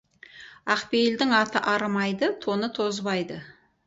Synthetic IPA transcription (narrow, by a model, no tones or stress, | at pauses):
ɑqpejld̪ɪŋɑt̪əʔɑɾmɑjd̪ət̪ʰo̞nət̪ʰo̞zbɑjd̪ə